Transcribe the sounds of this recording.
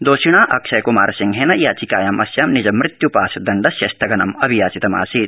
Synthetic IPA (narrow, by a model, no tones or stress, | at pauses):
d̪oːʃiɳ̃aːʔɐkʃɐjkuma̰ːɾɐsiŋɡɦeːnɐjaːt͡ʃikaːjɐmɐsjaːmnid͡ʒɐmːɾɪt̪jupaːsɐd̪ɐɳɖɐsjɐst̪ʰɐɡɐnɐmɐbʱijaːt͡ʃit̪ɐma̰ːsiːt̪̚